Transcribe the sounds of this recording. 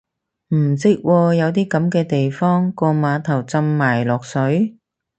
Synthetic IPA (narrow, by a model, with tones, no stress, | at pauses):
m̩˨˩sɪ˥k̚wʔɔː˧jɐ˨˧wt̪iː˥kɐ˨˥mkɛː˧t̪e˨jfɔː˥ŋkɔː˧maː˨˧˥t̪ʰɐ˨˩wt͡sɐ˧mːaː˨˩jlɔː˨k̚sɵ˨˥ɥ